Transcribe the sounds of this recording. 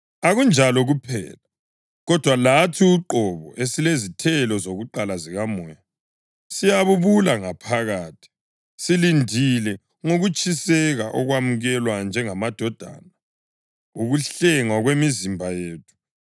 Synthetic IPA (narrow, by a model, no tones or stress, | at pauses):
aɣund͡ʒʱalɔɣupʰɛ̰ːla | ɣɔd̥ʱwalatʰiuǃɔβɔ̰ʔesilezitʰɛlɔzoɣuǃalaziɣamɔja | sijaβuβulaŋapʰaɣaːtʰi̥ | silindʱilɛ | ŋoɣut͡ʃʰʼisɛɣaʔɔɣwamuɣɛlwand͡ʒʱɛŋamad̥ʱɔd̥ʱa̰ːna | uɣuɬɛŋaɣwemizimbʱajeːtʰu̥